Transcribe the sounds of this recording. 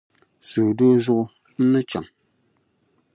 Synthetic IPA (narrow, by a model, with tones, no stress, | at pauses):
su˨do˦zu˦ʔʊ˦ | n̩˦nɨ˦t͡ʃa˨ŋ